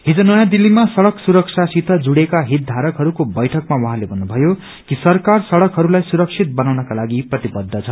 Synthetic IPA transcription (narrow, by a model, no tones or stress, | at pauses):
ɦid͡zʌnʌjãd̪ilːimasʌɽʌksuɾʌksʰasit̪ʰʌd͡zuɽekaɦit̪̚d̪ʱaɾʌkɦʌɾukobʌjʈʰʌkmawʌɦãlebʱʌnːubʱʌjo | kisʌrkarsʌɽʌkɦʌɾulajsuɾʌk̚sʰit̪̚bʌnawnʌkalaɡiprʌt̪ibʌd̪ʱːʌt͡sʰʌ